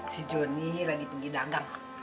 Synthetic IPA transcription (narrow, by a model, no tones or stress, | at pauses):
sid͡ʒɔniɦlaɡipiɡidaŋɡaŋ